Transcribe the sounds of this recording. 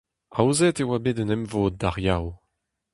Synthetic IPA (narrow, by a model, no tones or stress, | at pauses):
awzɛtewabedənɛmvoːd̪̚ːaʁjaw